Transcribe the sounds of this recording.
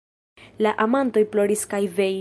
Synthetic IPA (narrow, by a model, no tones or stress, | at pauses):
laʔamanto̞jplo̞ɾiskajve̞